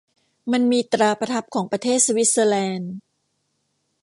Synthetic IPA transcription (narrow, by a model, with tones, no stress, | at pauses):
ma˧nmiː˧t̪ɾaː˧pɾa˧t̪ʰa˦˥p̚kʰɔː˩˦ŋpɾa˧t̪ʰeː˥˩t̪̚sa˧wi˦˥t̪̚sɤː˧lɛː˧n